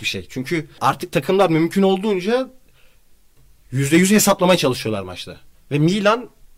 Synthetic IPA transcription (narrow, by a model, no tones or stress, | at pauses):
biʃḛjt͡ʃʰyɲcʰyaɾt̪ʰɯk̚t̪ʰakʰɯmlˠaɾmymcʰyno̞lˠd̪uːnd͡ʒa | jyzd̪ɛjyzhesaplˠamajat͡ʃʰalˠɯʃɯjolˠa̰ɾma̰t͡ʃlˠa̰ | vɛmiːlʲan